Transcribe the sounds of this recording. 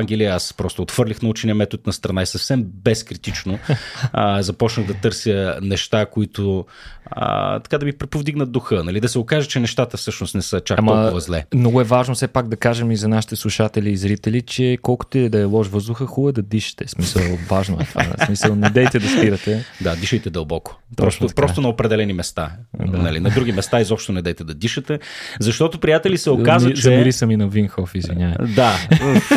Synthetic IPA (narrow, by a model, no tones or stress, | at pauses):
ŋɡʲɛlijəaspɾɔst̪ʊot̪xfɤɾlʲixnɐut͡ʃɛniɐmɛt̪ot̪̚nɐst̪ɾɐnaisɐfsɛmbɛskɾit̪it͡ʃno | zɐpɔt͡ʃnəɣd̪ɐt̪ɤɾsjənɛʃt̪akoit̪ʰʊ | ə̰t̪ɐ̥kad̪ɐvipɾɛpovd̪iɡnəd̪̚d̪oxɤnɐlid̪ɐsɛokaʒɛt͡ʃɛnɛʃt̪at̪əfsɤʃnʊst̪nɛsət͡ʃakmɐvɐzlɛ̰mnɔɡʊɛvaʒnosɛpaɡ̚d̪ɐkaʒɛmizɐnaʃi̥t̪ɛslˠuʃat̪ɛliːzɾit̪ɛlit͡ʃɛkɔlˠkʊ̥t̪ɛd̪ɐɛlˠɔʃvɤzd̪ʊxəxulˠəd̪ɐd̪iʃə̥t̪ɛsmisəlˠvaʒnoɛt̪va̰smisəlˠnɛd̪ɛjt̪ɛd̪ɐspiɾɐt̪ɛd̪ad̪iʃəjt̪ɛd̪ɐlˠbɔko̥p̪ɾɔt̪ɐpɾɔst̪onɐopɾɛd̪ɛlɛnimɛst̪a̰nɐ̰lḭnɐd̪ɾuɡimɛst̪aizɔpʃt̪onɛd̪ɛjt̪ɛd̪ɐd̪iʃət̪ɛzɐʃt̪ɔt̪opɾijat̪ɛlisɛokazzɐɛmiɾisəminɐvinxɔfizviɲʲavɛd̪a